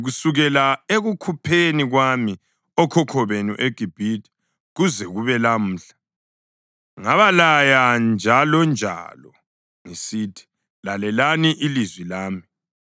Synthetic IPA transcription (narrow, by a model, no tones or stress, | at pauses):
ɣusuɣɛlaeɣukʰupʰeniɣwami | ɔkʰɔkʰɔβenṵʔeɡ̥ʱib̥ʱitʰʼi̥ | ɣuzɛɣuβɛlam̩ːɬḁ | ŋaβalajand͡ʒʱalɔnd͡ʒʱa̰lɔ | ŋisitʰi̥ | lalɛlaniʔilizwilaːmi